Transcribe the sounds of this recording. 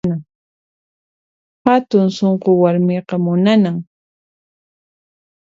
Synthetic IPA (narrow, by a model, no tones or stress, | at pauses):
na | hat̪ʊŋsoɴqowaɾmɪqɑmʊnanaŋ